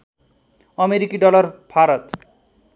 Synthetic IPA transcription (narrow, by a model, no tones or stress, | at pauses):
ʌmeɾikiɖɔlʌrbʱaɾʌt̪